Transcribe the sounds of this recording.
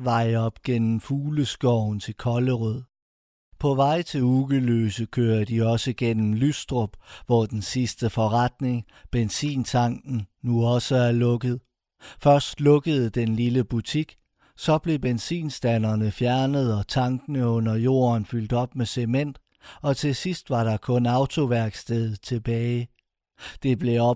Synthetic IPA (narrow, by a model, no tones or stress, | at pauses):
ʋɑ̈ɪɒ̽b̥ɡ̥en̰m̩fuːləsɡ̥ɒʊnt͡sʰe̝lkʰɒ̽ləʁœð̰ˠ | pʰɒ̽ʋɑ̈ɪ̰t͡sʰe̝luɡ̥əlø̰ːsəkʰøːɐd̥iɒ̽səɡ̥en̰m̩lysd̥ʁob̥ʋɒd̥ensisd̥əfɒ̽ʁɑd̥ne̝ŋ | b̥ensḭːnt͡sʰɑ̈ŋ̰ɡ̥n̩nuɒ̽səæɐlɔ̽ɡ̥əð̩ˠ | fɶɐsd̥lɔ̽ɡ̥əð̞̩ˠəd̥enliləb̥ut͡sʰiɡ̥ | sɒ̽b̥le̝b̥ensḭːnsd̥ænɐnəfjæɐnəð̞̩ˠɒ̽t͡sʰɑ̈ŋɡ̥ənəɔ̽n̰ɐjo̝̰ːɐnfyl̰d̥ɒ̽b̥mesemen̰d̥ | ɒ̽t͡sʰe̝sisd̥ʋɑ̈ɾɑ̈kʰɔ̽nɑ̈ʊt͡sʰo̝ʋæɐɡ̥sd̥eð̩ˠt͡sʰe̝b̥ɛːɪ | d̥e̝b̥le̝ɒ